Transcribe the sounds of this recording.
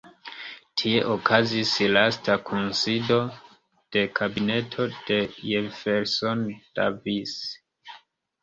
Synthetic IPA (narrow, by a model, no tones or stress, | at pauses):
tʰie̞ʔokʰazislastakʰunsido̞ | d̥e̞kʰabine̞tʰo̞d̥e̞jefeɾsond̥a̰vis